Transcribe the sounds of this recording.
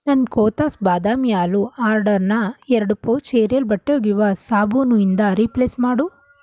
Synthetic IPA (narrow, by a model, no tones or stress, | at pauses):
nɐnkoːt̪aːsbaːd̪aːmijaːluaːɾɖɐɾnɐɛɾɐɽupoːt͡ʃeːɾijɐlbɐʈːoːɡiʋɐsaːbuːnuind̪ɐɾipleːsmaːɽu